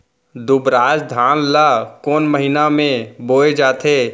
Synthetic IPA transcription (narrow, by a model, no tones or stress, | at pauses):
d̪ʊbɾaːd͡ʒd̪ʱaːnlakoːnməɦɪnamẽboːed͡ʒaːt̪ʰeː